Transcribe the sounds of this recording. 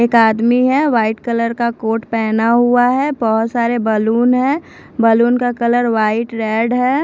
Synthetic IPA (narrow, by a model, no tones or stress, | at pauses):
eːkaːd̪miɦɛʋaːɪʈkələɾkakoːʈpɛːnaɦuaɦɛbɔɦʊt̪saːɾebəluːnɦɛ̃ː | bəluːnkakələɾʋaːɪʈɾɛːɖɦɛː